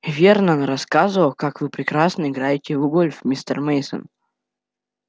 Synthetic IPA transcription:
vʲernənɾɐskazəvəlˠkakvɨpɾʲɪkɾasnəɪɡɾajɪtʲɪvuɡolʲfmʲist̪ə̰rmejsə̰n

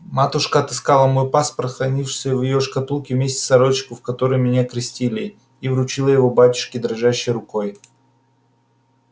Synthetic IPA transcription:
mat̪ʊʂkəɐt̪ɨ̥skalˠəmo̞jpaspɾət̪xɾɐnʲifʂsʲəvjɪjoʂkɐt̪ulˠkʲɪvmʲesʲtʲɪ̥sɐɾot͡ɕːɪ̥kʊfkɐt̪o̞ɾɨjmʲɪnʲakɾʲɪsʲtʲilʲɪ | ivɾʊt͡ɕilˠəjɪvo̞batʲʊ̥ʂkʲɪd̪ɾɐʐæɕːɪjɾʊko̞j

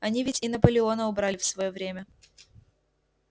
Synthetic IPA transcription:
ɐnʲivʲɪtʲɪnɐpəlʲɪo̞nəʊbɾalʲɪfsvɐjovɾʲemʲə

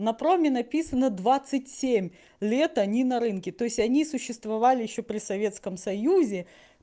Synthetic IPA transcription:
nɐpɾomʲɪnɐpʲisənəd̪vat̪sɨtʲsʲemʲ | lʲe̞t̪ɐnʲinɐɾɨnkʲɪt̪o̞ɪsʲtʲɐnʲisʊɕːɪst̪vɐvalʲɪjɪɕːo̞pɾʲɪsɐvʲet̪skəmsɐjuzʲɪ

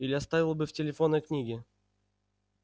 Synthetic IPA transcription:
ilʲɪɐst̪avʲɪlˠbɨftʲɪlʲɪfonːəknʲiɡʲɪ

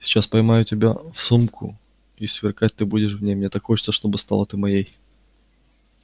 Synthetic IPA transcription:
sʲɪ̥t͡ɕaspɐjmajʊtʲɪbʲafsumkʰʊ̰ | isvʲɪrkat̚ʲt̪ɨbudʲɪʂ̬vnʲejmnʲet̪akxot͡ɕɪ̥t̪səʂt̪o̞bɨst̪a̰lˠət̪ɨmɐjej

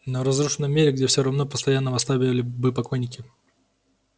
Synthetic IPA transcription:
nəɾɐzɾuʂɨnːəmʲːeɾʲɪɡdʲefsʲoɾɐvno̞pə̥st̪ɐjanːəvɐst̪ˠabʲɪvəlʲɪbɨpɐkojnʲɪkʲɪ

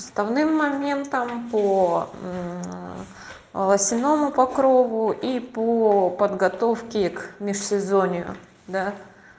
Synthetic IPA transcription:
əst̪ɐvnɨmːɐmʲe̞nt̪əmpo | lˠəsʲɪno̞mʊpɐkɾovʊʔipopəd̪ɡɐt̪ofkʲɪkmʲɪʂsʲɪzonʲɪʊ̰ | d̪a

